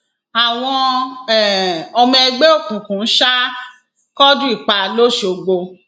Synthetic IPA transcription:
a˨w̃ɔ̃˧ɛ˨ɔ˧m̃˧ɛ˧ɡ͡be˦o˦˨kũ˨kũ˨n̩˦ʃa˦ | kɔ˦dũ˦i˦˨k͡pa˧lo˦ʃo˨ɡ͡bo˧

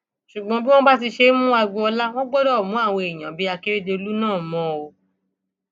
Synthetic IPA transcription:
ʃu˨ɡ͡bɔ̃˨˦bi˦w̃ɔ̃˦ba˦ti˧ʃe˧˦mũ˦a˧ɡ͡bu˧ɔ˧la˦w̃ɔ̃˦ɡ͡bɔ˦dɔ˦˨mũ˨˦a˦˨w̃ɔ̃˧i˨j̃ã˨bi˨˦a˧ke˦ɾe˦de˧o˧lu˦nãː˦˨mɔ̃˨˦o˧

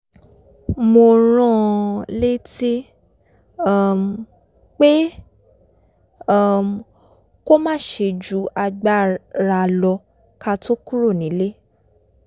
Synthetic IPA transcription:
mo˧ɾ̃ã˦le˦ti˦˨ | m˨ | k͡pe˦˨ | m | ko˦mãː˦˨ʃe˧d͡ʒu˨˦a˧ɡ͡ba˦˨ɾa˧lɔ˧ | ka˧to˦ku˦ɾo˦˨nĩ˨˦le˦

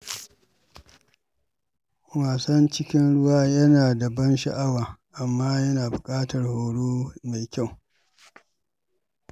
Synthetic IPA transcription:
waː˨sɐ˦nt͡ʃɪ˦kʲɪ˦nɽʊ˦waː˦jɐ˦naː˨da˨bɐ˦nʃɐ̰˨ʔa˦waː˨ʔa˨mːaː˦jɐ˦naː˨bʊ˨kʼaː˦tɐ˨rhoː˨ɽoː˦ma˨jkʲa˦˨w

